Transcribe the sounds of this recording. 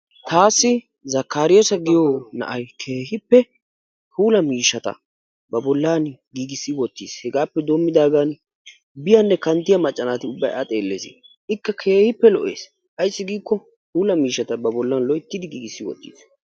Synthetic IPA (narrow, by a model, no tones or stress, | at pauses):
t̪ʰaːsːɪ | zɐkːaːɾɪjɔsɐɡɪjoːnɐ̰ʔɐjkʰeːɦɪpːɛ | huːlɐmiːʃːɐt̪ɐ̰ | bɐbɔlːanɡiːɡɪsːɪwɔt̪ːiːshɛɡaːpːɛd̪oːmːɪd̪aːɡan | bɪjɐnːɛkɐnt̪ːɪjɐmɐt͡ʃʼːɐnaːt̪ɪʊbːɐjɐ̰t̪ʼe̞ːlːḛːzɪ̰ | ʔɪkːɐkʰeːhɪpːɛlɔʔḛːs | hɐjsːɪɡiːkːɔ | huːlɐmiːʃːɐt̪ɐbɐbɔlːɐnlɔjɪt̪ːɪd̪ɪɡiːɡɪsːɪwɔ̰t̪ːḭːs